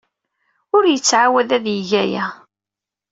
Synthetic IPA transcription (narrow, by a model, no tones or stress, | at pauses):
ʊɾjət͡sːʕawæðæðjəʝæjæ